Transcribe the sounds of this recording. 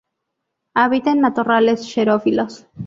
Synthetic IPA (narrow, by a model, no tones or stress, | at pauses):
aβit̪enːat̪urale̞sʃeɾofilos